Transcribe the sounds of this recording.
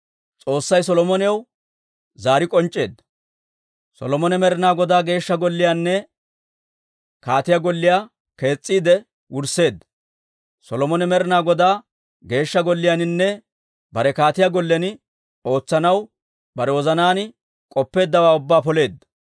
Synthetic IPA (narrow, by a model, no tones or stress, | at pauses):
t͡sʼo̞ːsːɐjsɔlɔmɔnɪɐw | zaːɾɪkʼɔnt͡ʃʼːe̞̰ːd̪ːɐ̥ | sɔ̰lɔmɔnɛmɛɾɪnaːɡɔd̪aːɡe̞ːʃːɐɡɔlːɪjanːɛ | kaːt̪ɪjaɡɔlːɪjaː | ke̞ːt͡sʼːiːd̪ɛ | wʊɾse̞ːd̪ːɐ̥ | sɔlɔmɔnɛmɛɾɪnaːɡɔd̪aː | ɡe̞ːʃːɐɡɔlːɪjanɪnːɛ | bɐɾɛkaːt̪ɪjaɡɔlːɛnɪ | o̞ːt͡sːɐnɐw | bɐɾɛwɔzɐnaːnɪ | kʼɔpːe̞ːd̪ːɐwaːʊbːaːpɔle̞ːd̪ːɐ̥